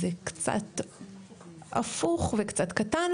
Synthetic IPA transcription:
ekt͡sa̰t̪ | a̰fuχvekt͡sat̪katan

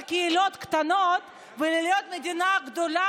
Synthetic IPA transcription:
keilot̪kt̪anot̪ | veliljot̪med̪inaɡd̪o̞la

